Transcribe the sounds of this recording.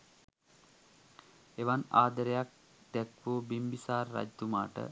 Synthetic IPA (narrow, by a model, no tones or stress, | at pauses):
eʋanaːd̪əɾəjak̚ | d̪̥ɛkʋobimbisaːrːa̰d͡ʒt̪umaːʈə̰